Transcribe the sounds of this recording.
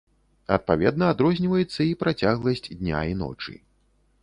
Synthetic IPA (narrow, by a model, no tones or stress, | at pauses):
ɐ̰t̪̚pavʲɛd̪nɐad̪ɾɔzʲnʲivɐjɛt̪sːɐipɾat͡sʲaɣlˠɐsʲt͡sʲd̪nʲa̰inɔ̰t͡ʂɨ̰